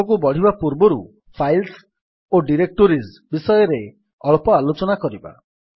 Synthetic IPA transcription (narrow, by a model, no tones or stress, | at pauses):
ɔk̬ubɔɽ̤ibapuɾbɔɾu | pʰajls | oɖiɾek̚ʈoɾis | bisɔjɔɾe | ɔɭpɔalot͡ʃɔnakɔɾiba̰